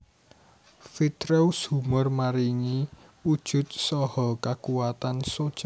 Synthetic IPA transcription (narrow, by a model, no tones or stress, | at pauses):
fit̪ɾewshumʊrmaɾiŋi | ud̥ʒ̥ʊ̤t̪̚sɔhɔkakuwat̪ansod̥ʒ̥a